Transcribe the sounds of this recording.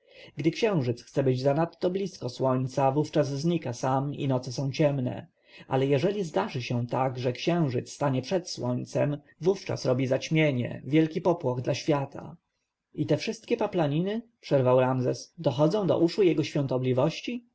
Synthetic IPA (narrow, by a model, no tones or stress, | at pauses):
ɡd̪ɘkɕɛ̃w̃ʐɘt̪sxt̪sɛbɘd͡ʑzanat̪ːɔblʲiskɔswɔɲʲt̪savuft͡ʂazzɲikasamḭnɔt̪sɛsɔ̃w̃t͡ɕɛmnɛ̰ | ʔa̰lɛjɛʐɛlʲizd̪aʐɘɕɛw̃t̪aɡʐɛkɕɛ̃w̃ʐɘt̪sst̪aɲɛpʂɛt̪swɔɲt̪sɛm | vuft͡ʂa̰sɾɔbʲizat͡ɕmʲjeɲɛ̰vʲjɛlkʲipɔpwɔɣd̪laɕfʲjat̪ʰa̰ | it̪ɛfʂɘst̪̚kʲɛpaplaɲinɘpʂɛɾvawɾamzɛsd̪ɔxɔd̪zɔ̃w̃d̪ɔ̰ʔuʂujɛɡɔɕfʲjɔ̃nt̪ɔblʲivɔɕt͡ɕi